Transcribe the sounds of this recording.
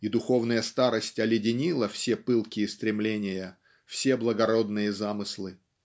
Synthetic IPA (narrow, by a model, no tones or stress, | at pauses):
id̪ʊxo̞vnəjəst̪aɾəsʲtʲɐbʲjɪdʲɪnʲilˠəfsʲepɨlˠkʲɪːst̪ɾʲɪmlʲenʲɪjə | fsʲe̞blˠəɡɐɾo̞d̪nɨjəzamɨslˠɨ